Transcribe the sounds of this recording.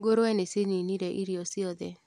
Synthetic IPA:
ɡoɾɛneseniniɾeʔiɾiosiod̪e

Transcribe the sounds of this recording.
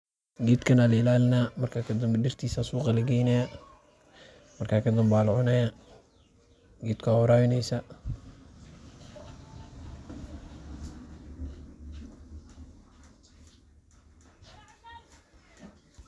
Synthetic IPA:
ɡiːd̪kʰɐnaːlɐɪlaːlɪnaːmɐrkʰaːkʰɐd̪ɐmbɐdɪrt̪ʰiːsasuːqɑlɐɡɛjnɛja | mɐrkʰaːkʰɐd̪ɐmbaːlʊʕʊnɐja | ɡiːd̪kʰwawɾaːwɪnɛjsɐ

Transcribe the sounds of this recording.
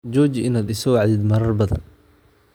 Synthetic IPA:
d͡ʒɔːt͡ʃɪʔɪnaːd̪ɪsɔwɑʕd̪ɪd̪mɐɾɐrbɐðɐ̰n

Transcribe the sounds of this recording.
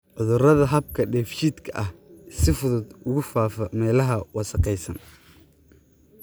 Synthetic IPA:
ʔɔðʊrɐðɐɦɐb̚kʰɐɖɛːft͡ʃiːd̪kʰɐʔɐhsɪfʊðʊd̪ʊɣʊfaːfɐmɛːlɐɦɐwɑsɐqɛjsɐn

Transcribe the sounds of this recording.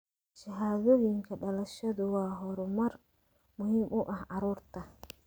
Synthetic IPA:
ʃɐɦaːðɔjɪŋkʰɐɖɐlɐʃɐðʊwɑːɦɔɾʊmɐr | mʊhiːmʔʊʔɐhʔɑɾuːrt̪ʰɐ

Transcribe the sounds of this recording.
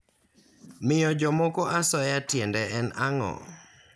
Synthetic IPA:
mɪjɔd͡ʒɔmɔkɔʔasɔjatjɛndɛɛnaŋɔ̰

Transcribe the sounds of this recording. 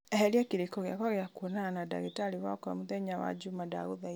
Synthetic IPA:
ɛɦɛɾiakiɾekɔɣjakɔɣeakuonaanada̰ɣitaliwakɔamuðɛɲawa̰d͡ʒumada̰ɣoða

